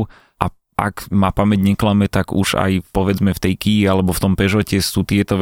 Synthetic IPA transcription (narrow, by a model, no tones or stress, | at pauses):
ʔa | ʔa̰kmapamɛɟɲɛklamɛt̪aɡṵʒa̰jpɔʋɛd͡zmɛft̪ɛjkiːalɛbɔft̪ɔmpɛʒɔcɛsuːt̪ɪɛt̪ɔʋ